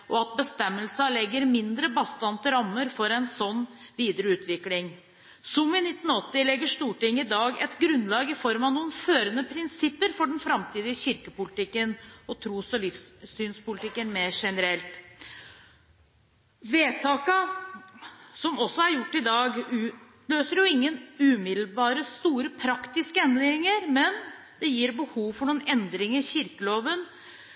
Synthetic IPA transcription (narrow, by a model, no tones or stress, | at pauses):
ʔɔɑt̪̚bəst̪ɛmːəlsɑlɛɡːəɾmɪnd̪ɾəbɑst̪ɑnt̪əɾɑmːəɾfɔɾɛnsɔnːʋiːd̪əɾəʉːt̪ʰʋɪklɪŋ | sɔmɪnɪt̪ːn̩ɔt̪ːɪlɛɡːəʂt̪uːʈɪŋːɪd̪ɑːɡɛ̰t̪ɡɾʉnlɑːɡɪfɔɾmɑʋnuːənføːɾənəpʰɾɪnsɪpːəɾfɔɖɛnfɾɑmt̪ʰiːd̪ɪəɕɪɾkəpʊlɪt̪ɪkːənɔt̪ʰɾuːsɔlɪfsyːnspʊlɪt̪ɪkːənmeːɾʂɛnəɾɛlt̪ | ʋeːt̪ʰɑːkə | sɔmɔsːɔæɾjʊʈːɪd̪ɑːɡʉːt̪ | løːsəɾjʊɪŋːənʉːmɪd̪l̩bɑːɾəst̪uːɾəpʰɾɑkt̪ɪskəɛnd̪ɪŋəɾmɛn | d̪̥ɛjiːɾbəhuːʋfɔɳuːnɛnd̪ɾɪŋəɾçɪɾkəloːʋən